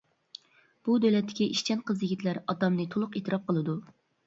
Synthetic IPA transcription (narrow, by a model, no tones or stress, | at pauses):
b̥ud̪ølɛt̪ʰːɪ̥kʲiʔiʃt͡ʃʰɛnqʰəzjiɡʲit̪ʰlæɾɑt̪ɑmnɨt̪ʰolˠʊqet̪ʰɨɾɑp̚qəlˠɨd̪u